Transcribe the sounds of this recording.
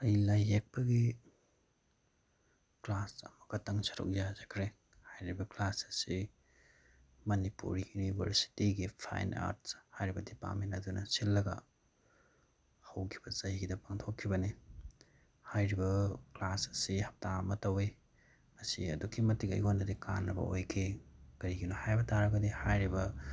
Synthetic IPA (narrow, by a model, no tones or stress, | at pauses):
ɐjlajːek̚pɐɡi | klasɐ̰mɐkɐtɐŋsɐɾṵk̚jazɐkʰɾe | hajɾibɐklasɐsi | mɐnipṵɾijunibʱɐ̰ɾsi̥tiɡipʰa̰jna̰ɾt̚hajɾibɐdipa̰ɾmentɐdunɐsilːɐɡɐ̰ | hɐwkʰi̥b̥ɐzɐhiɡidɐpaŋtʰokʰːibɐni | hajɾibɐklasɐsihɐp̚tamɐtɐwe | mɐsiɐ̰dukʰimɐtiɡɐ̰jonːɐdikanːɐbɐ̰ojkʰekɐɾiɡinohajbɐtaɾɐɡɐdihajɾibɐ